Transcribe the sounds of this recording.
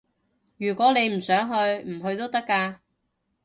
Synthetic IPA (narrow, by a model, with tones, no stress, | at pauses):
jyː˨˩kwɔː˨˥ne˨˧jm̩˨˩sœː˨˥ŋɦɵ˧ɥm̩˨˩ɦɵ˧ɥt̪o˥wt̪ɐ˥kːaː˧